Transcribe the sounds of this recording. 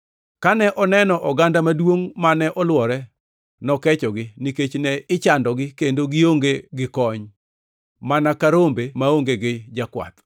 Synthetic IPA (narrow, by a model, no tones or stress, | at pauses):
kanɛʔɔnɛnɔʔɔɡandamadwoŋmanɛʔɔlwɔɾɛ | nɔkɛt͡ʃɔɡɪniket͡ʃnɛɪt͡ʃandɔɡɪkendoɡɪoŋɡeɡɪkɔɲ | manakaɾombemaoŋɡeɡɪd͡ʒakwa̰t̪